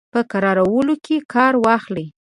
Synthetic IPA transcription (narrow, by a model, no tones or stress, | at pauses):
pəkaɾɑɾawəlokʰekɑɾwɑxli